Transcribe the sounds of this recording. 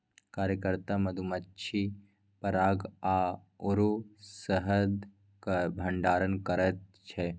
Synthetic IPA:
kaːɾjəkəɾt̪amɐd̪ʱumɐtːt͡ʃʰi | pɐɾaːɡaː | ʊɾusəɦəd̪ | kbʱɐ̃ɳɖaːɾənkɐɾət̪̚t͡ʃʰɛ

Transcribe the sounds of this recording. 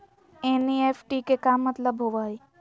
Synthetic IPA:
eːnieːfʰʈikekaːmːət̪ləbɦoʋaːi

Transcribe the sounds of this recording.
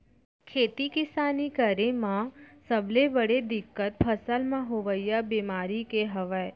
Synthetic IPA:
kʰeːt̪ikɪsaːnikəɾẽmãsəblebəɽed̪ɪkːət̪̚pʰəsəlmãɦoʋəjabiːmaːɾikeɦəʋəe

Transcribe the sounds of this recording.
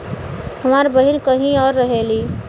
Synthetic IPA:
həmaːɾbəɦɪnkəɦĩɔːɾːəɦeːliː

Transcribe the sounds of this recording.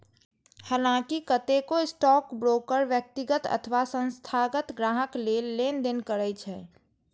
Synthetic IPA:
halãkikət̪ekoɪsʈɔːkbɾoːkəɾʋjək̚t̪iɡət̪ə̰t̪ʰəʋasə̃nst̪ʰaɡət̪ɡɾaːɦəklelend̪enkəɾət͡ʃʰɛː

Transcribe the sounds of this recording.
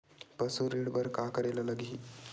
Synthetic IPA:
pəsuɾiɽbəɾkakəɾelələɡʱiː

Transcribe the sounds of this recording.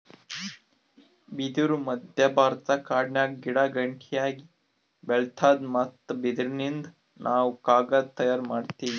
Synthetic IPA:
bid̪uɾumɐd̪ʱjɐbʱaːɾt̪ɐkaːɖnjaːk̚ɡiɽaɡɐɳʈʰijaːɡi | belt̪ʰaːd̪mɐt̪ːbid̪ɾinind̪u | nʔaːwukaːɡɐt̪ɐjaːɾmaːɖt̪iːʋi

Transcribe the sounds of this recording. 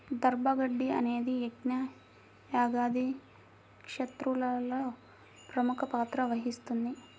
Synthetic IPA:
d̪ɐɾbɐɡɐɖːiɐ̰neːd̪ieɡnɐ | jaːɡaːd̪i | kʂɐt̪ɾulɐlɐ | pɾɐmukɐpaːt̪ɾɐʋɐɦist̪und̪i

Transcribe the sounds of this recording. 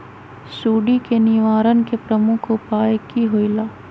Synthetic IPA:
suːɖikenɪʋaːɾənkepɾəmʊkʰopaːjkiɦoːilaː

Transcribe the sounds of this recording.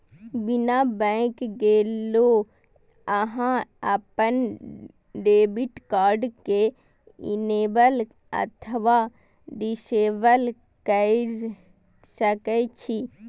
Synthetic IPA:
binabɛ̃kɡeːlo | əɦãəpən | ɖeːbiʈkaːɾɖke | ḭneːbəl | ə̰t̪ʰəʋa | ɖiseːbəl | kə | səkət͡ʃʰi

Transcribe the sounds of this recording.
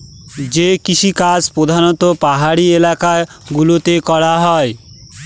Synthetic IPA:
d͡ʑekiʃʰikad͡ʑpɾod̪ʱanot̪opaɦaɽielakaɡulot̪ekɔɽaɦɔe

